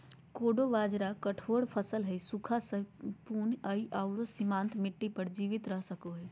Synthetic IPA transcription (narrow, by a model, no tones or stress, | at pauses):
koːɖoʋaːd͡ʒɾakəʈʰoːɽpʰəsəlɦɛsukʰasəpuːnəiʔaʊɽosimãːnt̪mɪʈːipəɾd͡ʒiːʋɪt̪ɾəɦsəkoɦɛː